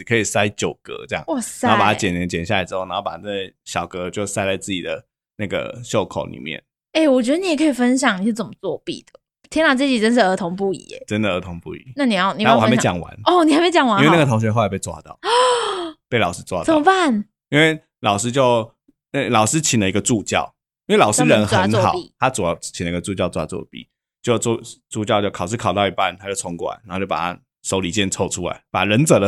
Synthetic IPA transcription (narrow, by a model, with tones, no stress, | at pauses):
kʰɤ˧˥i˨˩sa˥ɪt͡ɕjo˨˩ʊkə̰˧˦ʈ͡ʂjɑ̰˥˩˨wɔ˧˩sa˧˥˧pa˨˩a˩˥t͡ɕjɛ˨˩nɛ˧˥ŋt͡ɕjɛ˨˩nɕja˥˩la˧˥ɪʈ͡ʂɻ̩˥xo˥˩na˧˦˥o˥˩pa˨˩a˥˩˥ɕjɑ˨˩ʊkə˧˦t͡ɕjo˥˧ʊsa˥˧ɪt͡sa˥˧ɪt͡sɹ̩˥˩t͡ɕi˨˩d̪ə˩ | na˥˩ɡə̰˩ɕjo˥˩ʊkʰo̰˨˦ʊlḭ˨˩mjɛ̰˥˩n | e˥˩ɪwɔ˨˩t͡ɕ̬ɥɛ˧˥d̪ə˧n˧jɛ˨˩kʰɤ˧˥i˨˩fə˥nɕ̬jɑ˨˩ŋni˨˩˥t͡sə˨˩mə˦t͡swɔ˥˧pḭ˥˩d̪̥ə̥˩ | t̪ʰjɛ˥nla˨˩t͡sɤ˥˩t͡ɕi˨˩ə˥n̬̩˥˩ə˧˥t̪ʰo˧˥ŋpu˥˩ḭ˧˦˨ʈ͡ʂə˦nd̪ə˨ə˧˥t̪ʰo˧˥ŋpṵ˥˩ḭ˨˦na˥˩ni˨˧˥ni˨˩˧ɔ˨˦˥e˧˥ɑ˨˥jɑ̰˨˩ŋwa̰˧˦nɔ˥˧˩ni˨˩a˨˧ɪme˧˥ɪt͡ɕɑ˨˩ŋwa˧n˥we˥˧na˥˩ət̪ʰo˧˥ŋɕ̬ɥɛ˧˥xo˥˩˨pe˥˧t͡swa̰˥˧t̪ɑ̰˥˩˨ʊ | pe˥˩ɪlɑ˨˩ʊʂɻ̩˥t͡swa̰˥˧t̪ə˨˥˩mə˧pa˥˩n | i˥nwe˥˩ɪ | lɑ˨˩ʊʂɻ̩˥t͡ɕjo˥˧ʊ | a˥˩lɑ˨˩ʊʂɻ̩˦˥t͡ɕʰi˨˩nlə˦i˧˥ɡə˧t͡su˥˧t͡ɕjɑ̰˥˨˩ʊ | i˥nwe˥˩ɪlɑ˨ʊʂ̩˧˥ɻə˧˦nxə˧˥n˧xɑ˨˩˦t̪ʰa˦t͡su˨˩˨t͡ɕʰi˨˩lə˩i˧ɡə˧t͡su˥˧t͡ɕjɑ˥˧ʊt͡swa̰˥˩t͡swɔ̰˥˧pḭ˨˩˦ | t͡ɕjo˥˧ʊ˥˧t͡su˥˧t͡ɕjɑ˥˧ʊt͡ɕjo˥˩ʊkʰɑ˨˩ʊʂɻ̩˥˩kʰɑ˨˩ʊt̪ɑ˥ʊi˧˥pa̰˥˨nt̪ʰa˥t͡ɕo˥˩ʊt͡sʰʊ˧˥ŋkwa̰˨˩n˧˦˥t͡ɕo˥˩pa˨˩t̪ʰa̰˦ | ʂo˧˥ʊli˨˩t͡ɕjɛ˥˧˨nt͡sʰo˥˧ʊʈ͡ʂʰu˥la̰˧˦ɪpa̰˨˩ɻə˧˥nt͡sə˨˩d̪ə˦